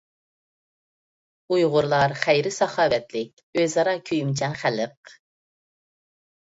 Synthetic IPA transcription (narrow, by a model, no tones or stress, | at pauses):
ujʁʊɾlˠɑɾχæjɾɪsɑχɑːwɛt̪lɪk̚ʲøzɑɾɑkʲʰyjmt͡ʃʰɛnχæləq̚